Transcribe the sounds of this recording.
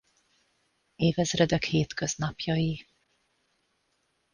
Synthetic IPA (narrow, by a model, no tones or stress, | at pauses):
eːvɛzrɛd̪ɛkheːt̪køznɒpjɒji